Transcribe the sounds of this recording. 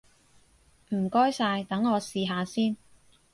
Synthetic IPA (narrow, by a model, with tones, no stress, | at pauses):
m̩˨˩kɔː˥jsaː˧jt̪ɐ˨˥ŋːɔː˨˧siː˨ɦaː˨˧siː˥n